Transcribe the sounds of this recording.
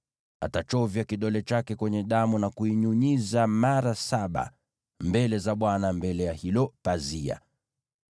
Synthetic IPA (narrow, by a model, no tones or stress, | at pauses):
a̰tat͡ʃɔvjakiɗɔlɛt͡ʃakɛkwɛɲɛɗamunakuiɲuɲizamaɾasaɓa̰ | mbɛlɛzaɓwanambɛlɛjahilɔpazia̰